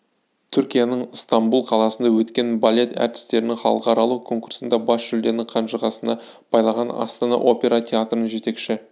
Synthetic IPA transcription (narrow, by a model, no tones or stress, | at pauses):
t̪ʰʏɾkʲijanəɴst̪ɑmbulˠqʰɑlˠɑsənd̪ɑwɵt̪kʲe̞nbalʲe̞t̪æ̰ɾt̪ɪ̥st̪e̞ɾɪnɪŋχɑ̰lˠəqɑɾɑlˠukʰo̞ŋkuɾsənd̪ɑbɑsʒ̥ʏld̪e̞ɾnɪŋqʰɑnʃəʁɑsənɑ | pʰɑjlˠɑʁɑnɑ̰st̪ɑnɑ̰ʔo̞pʲe̞ɾɑt̪ʲʰe̞at̪rənəʒe̞t̪e̞kʃɪ